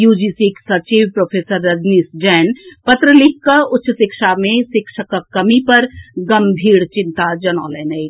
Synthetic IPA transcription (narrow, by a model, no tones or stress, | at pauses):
juːd͡ʒiːsiksɐt͡ʃiːʋpɾoːpʰeːsəɾːɐd͡ʒ̪nisd͡ʒɛːnpɐt̪ɾəlɪkkaʊtːʃəsɪkʃamẽsɪkʃəkkːɐmipɐɾɡɐmbʱiːɽt͡ʃɪ̃nt̪ad͡ʒɐnɔːleːnəi